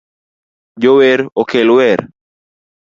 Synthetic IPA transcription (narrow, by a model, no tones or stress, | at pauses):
d͡ʒoweɾɔkelwɛɾ